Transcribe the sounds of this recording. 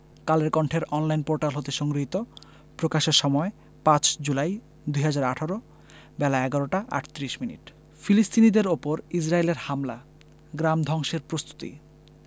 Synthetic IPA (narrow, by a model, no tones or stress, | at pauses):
kaleɾkɔɳʈʰeɾɔnlajnpoɾʈalɦot̪eʃɔŋɡɾiɦit̪o | pɾokaʃeɾʃɔmɔe | pãt͡ɕd͡ʑulaj | d̪ujɦad͡ʑaɾaʈʰaɾo | bɛlaɛɡaɾoʈaʔa̰ʈʰt̪iɾiʃminḭʈ | filist̪ʰinid̪eɾopoɾisɾaeleɾhamla | ɡɾamd̪ʱɔŋʃeɾpɾost̪u̥t̪ḭ